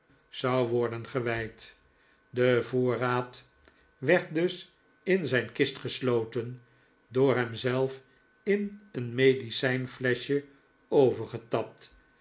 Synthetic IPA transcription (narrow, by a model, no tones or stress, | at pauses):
z̥ɑwʋɔɹdənχəʋɛjt | dəvoːraːt | ʋɛɹt̚dɵs | ɪnzɛjnkɪstχəslowtən | dʊːɹɦɛmzɛlˠf | ɪnənmejdisɛjnflɛʃə | owvəɹχətɑp̚t